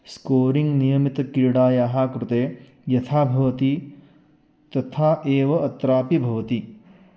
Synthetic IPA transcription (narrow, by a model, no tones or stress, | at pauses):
skoːɾiŋɡnijɐmit̪ɐkiɾɽaːjaːɦaːkɾut̪eː | jɐt̪ʰaːbʱɐʋɐt̪i | t̪ɐt̪ʰaːʔeːʋɐʔɐt̪ɾaːpibʱɐʋɐt̪i